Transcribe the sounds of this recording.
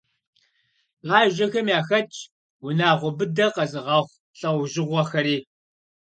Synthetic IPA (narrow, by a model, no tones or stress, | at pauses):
ʁaːʒɐxɐmjaːxɐt͡ʃʰʼ | wʊnaːʁʷʊbɨdɐqɐzɨʁɑːχʷ | ɬʼɐwʒɪʁʷɔxɐɾiː